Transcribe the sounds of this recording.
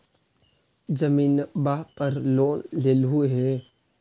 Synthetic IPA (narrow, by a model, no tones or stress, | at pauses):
d͡ʒəmiːnbaːɦpəɾloːnleːlɦʊeɦɛ